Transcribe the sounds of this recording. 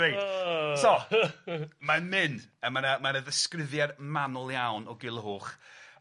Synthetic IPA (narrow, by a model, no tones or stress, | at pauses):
ejdsɔ | manmɪnəmanamanaðəskrɪðjarmanʊlˠjawnɔɡɪlˠəɦoːχ